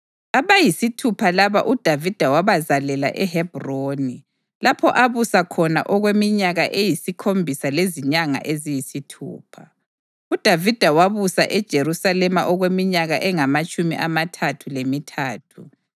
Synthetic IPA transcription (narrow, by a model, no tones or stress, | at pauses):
aβajisitʰupʰalaβa̰ʔud̥ʱavid̥ʱawaβazalɛla̰ʔɛhɛb̥ʱroni | lapʰɔ̰ʔaβusakʰɔna̰ʔɔɣwemiɲaɣaʔejisikʰombʱisaleziɲaŋa̰ʔezijisitʰṵːpʰa | ud̥ʱavid̥ʱawaβusa̰ʔɛd̥ʒ̥ʱeɾusalɛmaʔɔɣwemiɲaɣaʔɛŋamat͡ʃʼumḭʔamatʰatʰulemitʰaːtʰu